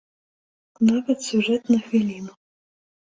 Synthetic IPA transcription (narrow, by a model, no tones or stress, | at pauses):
navɐt̪sʲuʐɛt̪nɐxvʲilʲinʊ